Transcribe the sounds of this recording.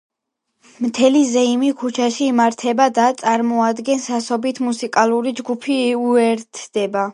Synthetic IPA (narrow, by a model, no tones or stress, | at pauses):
mt̪ʰɛlizɛimikʰut͡ʃʰaʃiːmaɾt̪ʰɛbad̪at̪sʼaɾmɔad̪ɡɛnsasɔbit̪ʰmusikʼalˠuɾid͡ʒɡupʰiuɛɾt̪ʰd̪̥ɛba